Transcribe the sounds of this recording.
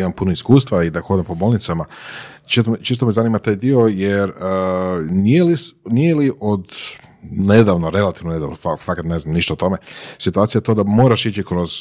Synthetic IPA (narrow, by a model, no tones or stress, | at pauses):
imampunoiskuːst̪ʋaid̪axo̞d̪empo̞boːlˠnit̪sama | t͡ʃest̪ot͡ʃest̪omezanimat̪aːjd̪io̞jeɾ | nijelisnijeliʔod̪ | ned̪aʋnoɾe̞lat̪iʋnone̞d̪a̰ʋnofafakat̪ne̞znamniʃt̪aot̪o̞mesit̪uaːt̪sijajet̪o̞d̪amo̞ːɾaʃit͡ɕikɾo̞z